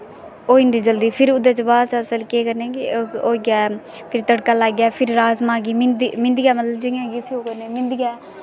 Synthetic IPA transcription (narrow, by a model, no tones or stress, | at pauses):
oːɪnd̪iːd͡ʒəld̪iːpʰɪɾʊd̪eːt͡ʃəbaːsəsəlkeːkəɾneːɡoːɡjaː | pʰɪɾt̪əɽkaːlaːɡjaːpʰɪɾɾaːzmaːɡiːmɪnd̪mɪ̃nd̪ɪjaːmət̪ləbd͡ʒɪãːɡiːsiːoːkəɾneːmɪ̃nd̪ɪɡɛː